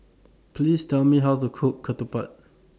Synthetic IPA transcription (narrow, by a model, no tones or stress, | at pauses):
pʰlistʰɛlmiɦawtukʰukʰːət̪upa̰t̚